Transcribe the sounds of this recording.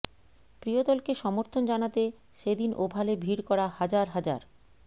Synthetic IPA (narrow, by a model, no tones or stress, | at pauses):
pɾiod̪ɔlkeʃɔmoɾt̪ʰond͡ʑanat̪e | ʃed̪inʔobʱalebʱiɾkɔɾahad͡ʑaɾɦad͡ʑa̰ɾ